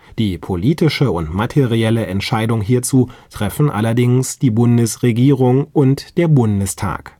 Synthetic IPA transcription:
d̥iːpʰoliːtɪʃəʊntmatʰeʁiɛləʔɛntʃaɪdʊŋɦiːɐt͡suːtʁ̥ɛfn̩ʔa̰lɐdɪŋsd̥iːbʊndəsʁeɡiːʁʊŋʔʊntd̥eːɐbʊndəstʰa̰ːk

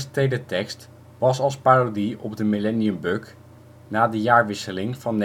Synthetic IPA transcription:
stejdətɛkst | ʋɑsɑlˠspaːrodiɔb̚dəmilɛniəmbøk | naːdəjaːɹʋɪsəlɪŋvɑnː

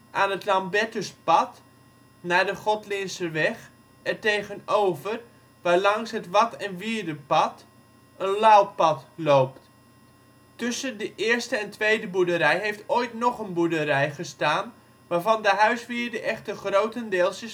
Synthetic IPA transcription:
ʔaːnətlambɛtəspɑt | naːdəχɔtlɪnsəʋɛχ | ɛrteːɣənoːvər | ʋaːlɑŋsɦətʋɑtɛnʋiədəpɑt | ənlalpɑtloːpt | tɵsəndəʔɪːrstəɛntʋejdəbudəɾɛjɦejftoːjtnɔχənbudəɾɛjχəstaːn | ʋaːvɑndəɦœɥsʋiːrdəʔɛχtəχrowtəndɪːlˠsə

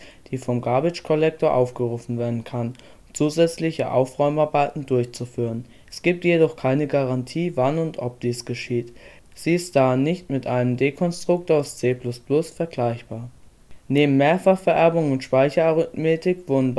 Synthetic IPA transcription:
d̥iːfɔmɡaːbɪt͡ʃkʰɔlɛk̚toːɐʔaʊfɡ̥əʁuːfn̩veːɐdn̩kʰan | ʊt͡suːzɛt͡slɪçəʔa̰ʊfʁɔʏmaɐbaɪtn̩dʊɐçt͡sufyːʁ̞ən | ʔɛ̥sɡ̥iːp̚tjedɔχkʰaɪnəɡaʁantʰiːvanʊntʰʔɔp̚d̥iːsɡ̥əʃiːt | z̥iːɪstd̥anːɪçtmɪtʔaɪnəmdekʰɔnstʁ̥ʊk̚taʊst͡seːplʊsplʊsfɛɐɡlaɪçb̥aːɐ | neːbm̩meːɐfaχfɛɐʔɛɐbʊŋʊntʃpaɪçɐaʁʏtmeːtɪkv̥ʊɐdn̩

